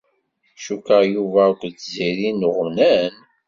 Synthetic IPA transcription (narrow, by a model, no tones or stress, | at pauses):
ʃukəjuvækʷt͡sːziɾinəʁəmnæn